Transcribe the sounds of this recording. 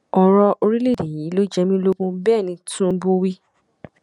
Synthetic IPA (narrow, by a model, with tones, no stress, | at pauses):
ɔ˧ɾɔ˧o˧ɾi˦le˦˨de˨jĩ˨˦lo˦d͡ʒɛ˧mĩ˦lo˦ɡũ˦bɛː˦˨nĩ˧tʰũ˦bũ˦wi˦